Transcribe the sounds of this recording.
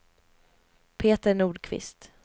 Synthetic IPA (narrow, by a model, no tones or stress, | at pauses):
pʰeːt̪əɳuːɖkʰvɪ̰st̪